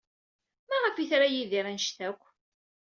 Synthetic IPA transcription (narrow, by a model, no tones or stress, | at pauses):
mæʁəfiθɾajiðiɾænʃθækʷː